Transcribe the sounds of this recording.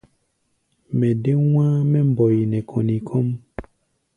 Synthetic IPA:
mɛ̃˨de˦w̃ã˦mɛ̃˦m̩˦˨bɔ˨ji˨nɛ̃˨kʰo˨nĩ˨kʰɔ˦m

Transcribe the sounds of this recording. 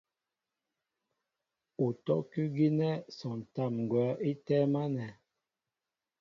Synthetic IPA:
u˨tɔ˦kʉ˦ɡi˦nɛ˦sɔ˨n˨ta˦˨mŋ˨ɡwɛ˨˦ʔi˦tɛ˦ma˦nɛ˨

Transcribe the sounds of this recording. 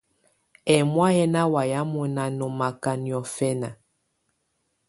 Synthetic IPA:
ɛ˨mwa˦jɛ˦na˦wa˨ja˦mɔ˨na˦nɔ˨ma˨ka˦njɔ˨fɛ˦na˨

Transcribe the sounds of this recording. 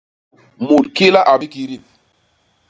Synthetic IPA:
mu˨lki˦la˦ʔa˨bi˦ki˨ɾi˦˨

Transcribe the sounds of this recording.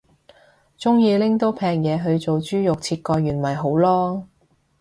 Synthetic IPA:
t͡sʊ˥ŋjiː˧lɪ˥ŋt̪o˥wpʰɛː˧k̚jɛː˨˧ɦɵ˨˧ɥt͡so˨wt͡ʃyː˥jʊ˨k̚t͡sʰiː˧t̚kɔː˧jjyː˨˩nmɐ˨˩jɦo˨˥wlɔː˥

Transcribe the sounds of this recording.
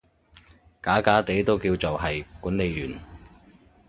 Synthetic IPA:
kaː˨˥kaː˨˥t̪e˨˥jt̪o˥wkiː˧wt͡so˨wɦɐ˨jkuː˨˥nle˨˧jjyː˨˩n

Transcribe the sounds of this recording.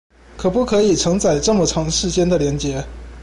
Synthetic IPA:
kʰɤ˨˩pu˥˩kʰɤ˧˥i˨˩ʈ͡ʂʰɤ˧˥ŋt͡sa˨˩ɪʈ͡ʂɤ˥˩mə˩ʈ͡ʂʰɑ˧˥ŋʂɻ̩˥˩t͡ɕjɛ˥nd̪ə˨ljɛ˧˥nt͡ɕjɛ˧˥

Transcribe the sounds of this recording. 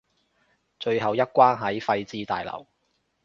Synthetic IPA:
t͡ʃɵ˧ɥɦɐ˨wjɐ˥t̚kʷwaː˥nɦɐ˨˥jfɐ˧jt͡siː˥t̪aː˨jlɐ̰˨˩w

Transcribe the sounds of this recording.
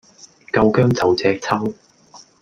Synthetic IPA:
kɐ˧wkœː˥ŋt͡sɐ˨˥wt͡sɛː˧k̚t͡sʰɐ˥w

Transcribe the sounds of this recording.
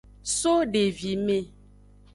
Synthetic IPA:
so˦ɖe˨vi˨me˨

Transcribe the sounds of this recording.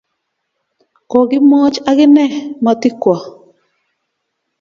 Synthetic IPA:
kɔ˨ɡɪ˦mɔ˦t͡ʃa˦ɡɪ˦nɛ˦˨ma˨tɪ˦kwɔ˨

